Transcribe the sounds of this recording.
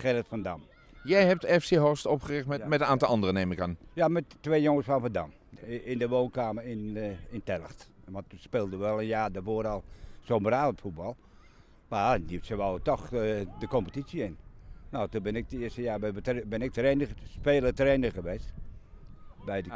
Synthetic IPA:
xɛrətfɔndam | jɛjɛp̚tɛfseɦostɔpχərɪxtɛmɛtənaːntlɑndərəneːməkanjamɛtːʋeːjoŋəsfɔnfəda̰m | ɪndəʋoːnkaːmərɪnɪntɛlˠəxtʋɔntuspeːlˠdəʋɛlˠənjaːdəfoəɾɔlˠsoːmbəraːətfut̚bɔlˠ | manitsəʋawtɔxdəkompətitsjəɪnnotubɪnɪk̚dəɪəstəjaːbɛʋətbɪnɪk̚treːnəspeːlˠətreːnəxəʋeːst | bɛjdə

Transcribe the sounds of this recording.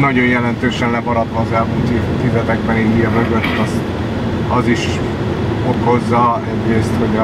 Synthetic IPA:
nɒɟo̞jjɛlɛnt̪øːʃɛnlɛbɒɾɒt̪mɒːzɛlmult̪it̪ivɛt̪ɛɡbɛniijɒmøɡø̞t̪ːɒs | ɒziʃ | oko̞zːɒɛɟreːst̪ho̞ɟ

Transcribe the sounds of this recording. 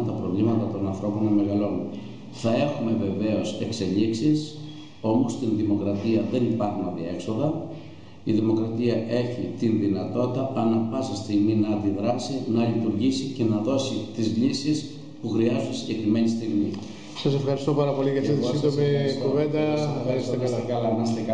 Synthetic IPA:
nt̪ɐpɾo̞vlimɐt̪ɐt̪o̞nɐnθɾo̞po̞neme̞ɣɐlo̞ni | θɐe̞xume̞ve̞ve̞o̞se̞kse̞ʎiksis | o̞most̪inðimo̞kɾɐt̪iɐðe̞nipɐɾxunɐðie̞kso̞ðɐ | iðimo̞kɾɐt̪iɐʔe̞çit̪inðinɐt̪o̞t̪it̪ɐɐnɐpɐsɐst̪iɣminɐɐnd̪iðɾɐsinɐlit̪uɾʝisice̞nɐðo̞sit̪izlisis | puxɾiɐzunsiɟe̞kɾime̞nist̪iɣmi | sɐsefxɐɾist̪opɐɾɐpo̞liʝɐft̪it̪isid̪omikuve̞nd̪ɐɐɾisekɐsekɐlɐimɐst̪ekɐ

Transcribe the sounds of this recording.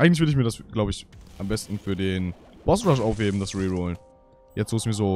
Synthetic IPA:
aɪŋtlɪçvɪɐdɪçmiːɐdasɡ̥laʊbəɪçʔambɛstn̩fyːɐdeːn | b̥ɔslaʃʔaʊfɡ̥eːbm̩dasʁiʁuːln | jɛt͡stoːsmiːɐzoː

